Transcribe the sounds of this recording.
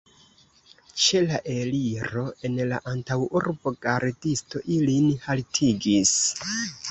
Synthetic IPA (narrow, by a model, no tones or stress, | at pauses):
t͡ʃe̞laʔe̞liɾo̞e̞nla̰ʔantawuɾbo̞ɡaɾdisto̞ʔilinhaltʰiɡis